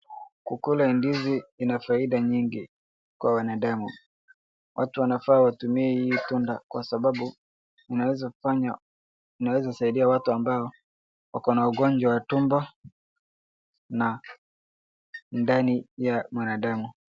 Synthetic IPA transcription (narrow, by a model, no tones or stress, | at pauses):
kukulaɛndiziinafaiɗaɲiŋɡi | kwawanaɗamu | wʔa̰tuwanafaːwatumiɛhijitundakwa̰saɓaɓu | inawɛzafaɲa | inawɛzausaiɗiawatuambaɔ | wa̰kɔnauɡɔɲd͡ʒwawatumbɔ | na | ndanijamwanaɗamu